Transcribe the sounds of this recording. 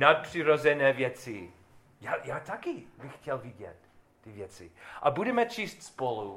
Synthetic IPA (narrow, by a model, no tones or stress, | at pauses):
nat̪̚pr̥ɪɾozɛnɛːvjɛt͡sɪ | jajaːt̪akɪbɪxːcɛlvɪɟɛ̰t̪̚ː | ɪvjɛt͡sɪ̰ʔabudɛmɛt͡ʃiːst̪spolu